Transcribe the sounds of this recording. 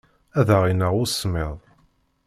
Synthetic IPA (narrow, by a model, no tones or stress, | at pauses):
æðəʁinəʁʊsmɪðˤ